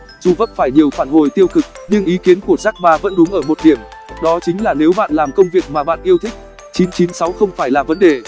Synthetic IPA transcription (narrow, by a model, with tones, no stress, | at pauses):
zu˨˩və̰˧˥nfaː˧˩jɲi˨˩əwfaː˧˩nho˨˩jt̪i˧əwkɨ˨˩k̚ɲɨ˧ŋʔi˨˦ki˨˦ənku˧˩əzaː˦˥k̚ɓaː˧və̰˧˥nɗʊ˨˦ŋʔəː˧˩mo˨˩t̚ɗi˧˩əmɗɔ˨˦t͡ɕï˨˦ŋ̟laː˨˩ne˨˦wɓa̰ː˧˨nlaː˨˩mkə˧wŋ͡mvi˨˩ək̚maː˨˩ɓa̰ː˧˨nʔi˧əwt̪ʰï˥k̟̚ | t͡ɕi˨˦nt͡ɕi˨˦nsa˨˦wxə˧wŋ͡mfaː˧˩jlaː˨˩və˨˦nɗe˨˩